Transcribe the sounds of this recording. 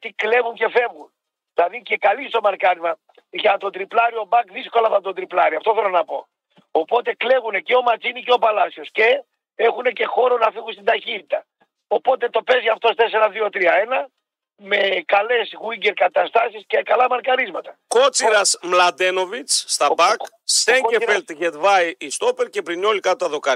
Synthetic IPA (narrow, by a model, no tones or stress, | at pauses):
t̪ikle̞ɣuɲce̞fe̞vɣun | ðilɐðice̞kɐlist̪o̞mɐɾkɐɾizmɐ | ʝɐt̪ot̪ɾiplɐɾio̞bɐkðisko̞lɐfɐnt̪o̞t̪d̪ɾiplɐɾiɐft̪o̞θelo̞nɐpo̞ | opo̞t̪e̞kle̞ɣuneceo̞mɐt͡siniceo̞palɐsio̞sce̞ | exune̞ce̞xo̞ɾo̞nɐfiɣunst̪id̪ɐçit̪it̪ɐ | o̞po̞t̪e̞t̪o̞pe̞zʝɐft̪o̞st̪e̞seɾɐðio̞t̪ɾiɐe̞nɐ | me̞kɐle̞sɣuiɟeɾkɐt̪ɐst̪ɐsisce̞kɐlɐmɐɾkɐɾizmɐt̪ɐkot͡siɾɐsmlɐd̪e̞no̞vit͡sst̪ɐbɐk | seɟefelt̪ʝet̪vɐjist̪opeɾce̞pɾino̞likɐt̪ːɐðokɐ